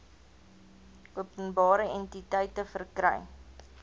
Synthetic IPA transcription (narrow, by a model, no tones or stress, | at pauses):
uəpənbɑːɾəɛntitəjtəfərkɾə̰j